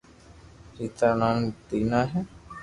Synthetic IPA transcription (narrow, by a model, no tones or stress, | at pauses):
ɾit̪anant̪inaɦɛ